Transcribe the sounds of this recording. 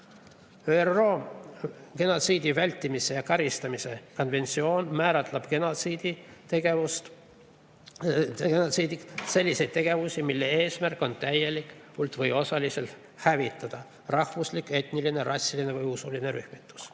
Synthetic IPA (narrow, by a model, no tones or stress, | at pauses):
øːero̞ː | ke̞no̞t̪siːd̪ivælʲt̪ːimise̞jɑkɑɾist̪ɑmise̞ko̞nve̞nt̪sio̞ːnmæːɾɑt̪ˑlɑb̥kenosid̪it̪eɡeust̪ | kenot̪siːd̪ikse̞lʲːise̞jd̪̥̚t̪e̞ɡ̥e̞vusʲimilːe̞e̞ːsmærkːˑo̞nt̪æje̞likpult̪ˑvɤjo̞sɑlise̞lt̪ | hævit̪ːˑɑd̪̥ɑ | rɑhvuslikːe̞t̪niline̞rʔɑsʲːiline̞vɤjusuline̞ɾyhmit̪ːˑu̥s